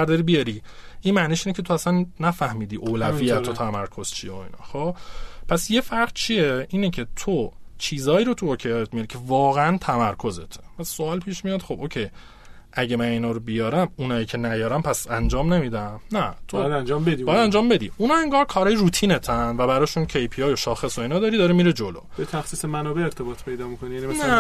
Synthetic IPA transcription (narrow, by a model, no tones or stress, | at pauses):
æɾd̪ɒɾibijɒɾi | inmæniːʃiːnecʰet̪ʰoæsænːæfæhmiːd̪iːʔoːlævijæt̪ʰot̪ʰæmæɾkʰo̞z̥t͡ʃʰijeoḭːnɒ̰ːxopʰæsje̞fæɾʁt͡ʃʰieʔiːnecʰe̞t̪ʰot͡ʃʰiːzɒːiːɾot̪ʰuocʰejɒjet̪̚mijɒɾicʰe̞vɒːɣeænt̪ʰæmæɾkʰo̞ze̞t̪ʰepʰæsːoɒːlpʰiːʃmijɒːd̪xo̞boːcʰej | ʔæɟemæniːnɒːɾobijɒːɾæmunɒːjiːcʰe̞næjɒːɾæmpʰæsænd͡ʒɒːmnemiːd̪æmnæt̪ʰojæd̪ænd͡ʒɒːmbed̪ibɒjæd̪ænd͡ʒɒːmbe̞d̪ḭunɒːeŋɡɒːɾkʰɒːɾɒːjeɾuːt̪ʰiːne̞t̪ʰænvæbæɾɒːʃuncʰe̞jpʰiɒːjo̞ʃɒːxe̞so̞iːnɒːd̪ɒːɾid̪ɒɾemiːɾed͡ʒo̞lo̰bet̪ʰæxsiːsemænɔːbeeɾt̪ʰe̞bɒːt̪ʰpʰe̞jd̪ɒːmikonijænimænsnæ